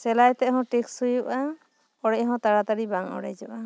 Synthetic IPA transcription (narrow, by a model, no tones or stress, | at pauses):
sɛlajt̪ɛɦɔ̃ʈekshujuʔa | ɔɽɛɦɔ̃t̪aɽat̪aɽibaŋɔ̰ɽɛ̰jd͡ʒɔʔa